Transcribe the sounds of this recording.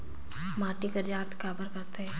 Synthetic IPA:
maːʈikəɾd͡ʒãːt̪kaːbəɾkɐɾt̪eɛ

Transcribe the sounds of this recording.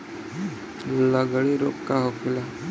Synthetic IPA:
laɡəɽiɾo̰ːpkaɦokʰɪla

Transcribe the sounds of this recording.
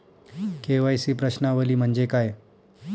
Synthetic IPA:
keʋajsiːpɾəɕnaʋəliːm̤əɳd͡ʑekaj

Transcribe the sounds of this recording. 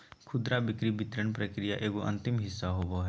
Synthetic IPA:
kʰʊd̪ɾabɪkɾibɪt̪ɾəɳpɾɐkɾijaʔeːɡoʔɐ̰̃nt̪ɪmɦɪsːaɦoboɦɛ

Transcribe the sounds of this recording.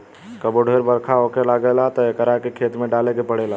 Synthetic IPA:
kəboɖʱeɾbəɾkʰaɦokelaɡelat̪ɔekəɾakekʰet̪meɖalekepəɽela

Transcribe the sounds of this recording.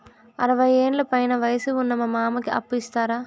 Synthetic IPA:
ɐ̰ɾɐʋɐjeːnlɐpɐjnɐʋɐjɐsiunːɐmɐmaːmɐkiʔɐ̰pːist̪aːɾaː

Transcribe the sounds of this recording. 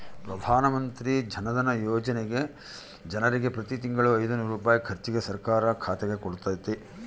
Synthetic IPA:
pɾɐd̪ʱaːnɐmɐnt̪ɾid͡ʒʱɐnɐd̪ɐnɐjɔːd͡ʒɐneɡe̞ | d͡ʒɐnɐɾiɡe̞pɾɐt̪it̪̬iŋɡɐɭuɐjd̪ɐnuɾuːpaːjikʰɐɾt͡ʃiɡe̞sɐɾkaːɾɐkʰaːt̪ɛɡe̞koɽut̪ːaːjt̪ːe

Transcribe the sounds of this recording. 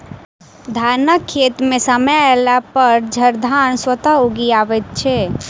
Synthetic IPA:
d̪ʱanəkʰːet̪mesəməjelapəɾd͡ʒʱəɾd̪ʱanswət̪aoɡiaʋɛt̪̚t͡ʃʰɛ

